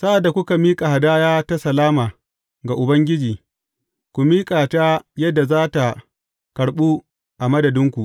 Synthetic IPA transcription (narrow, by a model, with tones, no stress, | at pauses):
sa˦ʔa˨dːa˨kʷʊ˦ka˨miː˦kʼa˨ha˨daː˦jaː˦ta˦sɐ˨laː˦maː˨ | ɡa˨ʔʊ˨bɐ˦ŋɡʲɪ˦d͡ʒiː˨ | kʷu˨miː˦kʼaː˨ta˦jɐ˦dːa˨zaː˦ta˨ | kɐ˨ɽɓu˦ | ʔa˨mɐ˦dɐ˨dɪ˦ŋkʷu˨ʔ